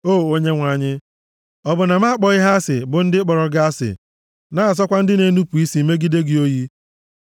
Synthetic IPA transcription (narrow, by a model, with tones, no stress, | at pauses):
oː˦˨o˦ɲe˦ŋʷa˨ɲɪ˦ | ɔ˦bʊ˨na˨m˦a˦k͡pɔ˨ɪ˦ɦa˦sɪ̰˨bʊ˨n̩˦dɪ˦k͡pɔ˨ɾɔ˨ɡa˦a˦sɪ̰˨ | naː˦a˨s̬ɔ˦kʷa˦n̩˦dɪ˦ne˦nu˦pu˨i˦si˨˦me˦ɡi˦de˦ɡɪ˨o˦ji˦